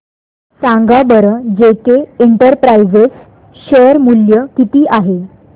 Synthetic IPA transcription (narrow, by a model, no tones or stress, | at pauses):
sãŋɡabəɾəd͡ʑekeeɳʈəɾpɾajd͡zes | ɕəɾmuljəkit̪iːʔaɦe